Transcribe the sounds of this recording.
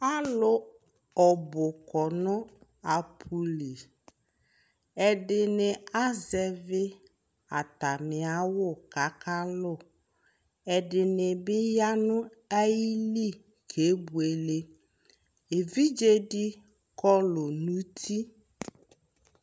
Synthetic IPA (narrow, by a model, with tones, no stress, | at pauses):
a˦lʊ˨ | ɔ˨bʊ˨kɔ˨nʊ̃˦ | a˨pʰu˦li˨ | ɛ˨dɪ˨nɪ˨a˦zɛ˨vɪ˦ | a˨ta˨mɪ˨a˦wʊ˦˨ka˨˦ka˦lʊ˦˨ | ɛ˨dɪ˨nɪ˨bɪ˦ja˦nʊ˦ | a˦ji˦li˦˨ | kʰe˨˦bu˨e˨le˦ | e˨vi˦d͡ʒe˦dɪ˦ | kɔ˦lʊ˨nũ˦tʰi˦